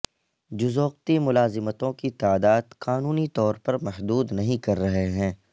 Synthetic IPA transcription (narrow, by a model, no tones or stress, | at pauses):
d͡ʒʊzoːq̚t̪imʊlaːzɪmət̪õkit̪aːd̪aːd̪qaːnuːnit̪ɔːɾpɐɾmɛɦd̪uːd̪nɐɦĩkɐɾːɐɦeɦɛ̃ː